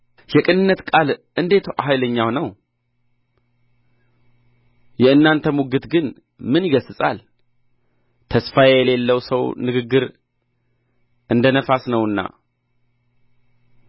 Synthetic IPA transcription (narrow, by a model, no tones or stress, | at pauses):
jɛkʼɨnɨnːət̪kʼalʔɨnd̪e̞t̪aɦajləɲːawnəw | jɛɨnːant̪ʰəmuɡɨt̪ɡɨn | mɨnjiɡəsɨsʼa̰l | t̪ʰəsfajɛle̞lːəwsəwnɨɡɨɡːɨɾ | ʔɨnd̪ənəfasnəwɨnːa̰